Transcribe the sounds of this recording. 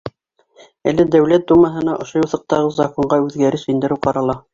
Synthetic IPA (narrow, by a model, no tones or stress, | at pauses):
ælɘd̪æwlæt̪̚d̪umɑɦɤ̆nɑʔŏʃojuθɤ̆q̚t̪ɑʁɤzɑkoɴɢɑʉðɡæɾɘsɵ̆jnd̪ɘ̆ɾɘwqɑɾɑlˠɑ